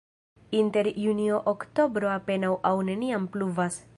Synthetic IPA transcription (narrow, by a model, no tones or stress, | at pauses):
inte̞ɾjunioʔokto̞bɾoape̞nawʔawne̞niampluvas